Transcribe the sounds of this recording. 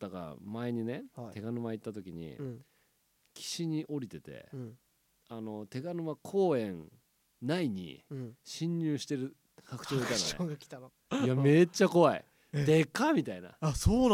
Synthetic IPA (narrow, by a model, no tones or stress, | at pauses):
d̪̥aka̰ɾa̰mae̞ɲ̟ine̞hat̪e̞ɡanɯ̟mait̪ːat̪o̞kʲiɲ̟ḭ | kʲʰi̥ɕiɲ̟iʔo̞ɾʲit̪e̞t̪e̞̰ | ano̞t̪e̞ɡanɯ̟makʰo̞ːẽ̞n | naiɲ̟ḭɕĩɲːɨːɕi̥t̪e̞ɾɯ̟ | kakɯ̥t͡ɕoːik̪ana̰oːɡakʲi̥t̪ano | jame̞t͡ɕːako̞βaḭ | d̪ekamʲit̪aina̰asoːn